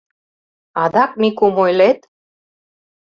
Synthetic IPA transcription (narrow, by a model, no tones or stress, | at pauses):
ɑd̪ɑk̚mikumojlet̪